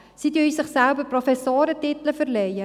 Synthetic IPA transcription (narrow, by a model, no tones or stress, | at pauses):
sid̪ysɪχsælbəprofɛsoːɾətɪt̪ələfərlejə